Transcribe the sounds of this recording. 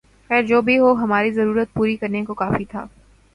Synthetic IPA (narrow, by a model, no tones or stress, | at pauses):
xɛːɾd͡ʒoːbʱiɦoːɦɐmaːɾizɐɾuːɾət̪̚puːɾikɐɾnekokaːfit̪ʰa̰ː